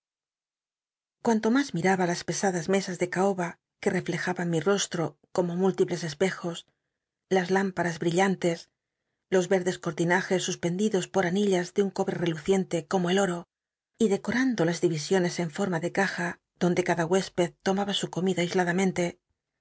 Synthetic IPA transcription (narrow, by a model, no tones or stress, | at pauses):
kwant̪o̞mazmiɾaβalaspe̞saðazme̞sazðe̞kaoβa | ke̞re̞fle̞xaβaŋmiro̞st̪ɾo̞ko̞mo̞mult̪iple̞se̞spe̞xo̞s | lazlampaɾazβɾiʎant̪e̞s | lo̞zβe̞ɾðe̞sko̞ɾt̪inaxe̞sːuspe̞nd̪iðo̞spo̞ɾaniʎazðeuŋko̞βɾe̞re̞luθje̞nt̪eko̞moelo̞ɾo̞ | iðe̞ko̞ɾand̪o̞lazðiβisjo̞ne̞se̞ɱfo̞ɾmaðe̞kaxa | ðo̞nd̪e̞kaðaɣwe̞spe̞ðt̪o̞maβasuko̞miðaijzlaðamẽ̞nt̪e̞